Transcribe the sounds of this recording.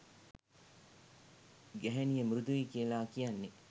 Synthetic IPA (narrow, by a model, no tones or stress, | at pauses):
ɡæɦenijəmɾud̪uʋiːkijəlaːkijanːe